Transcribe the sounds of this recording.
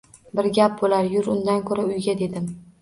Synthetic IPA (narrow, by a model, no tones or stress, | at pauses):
bɪɾɡʲap̚bolaɾjʊɾʊnd̪ankʰɵɾaʊjɡʲad̪e̞d̪ɪm